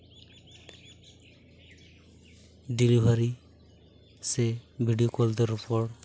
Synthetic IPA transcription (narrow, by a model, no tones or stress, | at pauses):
dilibʱaɾi | sebʱiɖijokɔld̪ɔɾupɔɹ